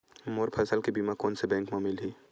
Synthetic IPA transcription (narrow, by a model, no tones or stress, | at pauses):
moɾpʰɛːsəlkebiːmakɔːnsebɛ̃ːŋkmãmɪlɦiː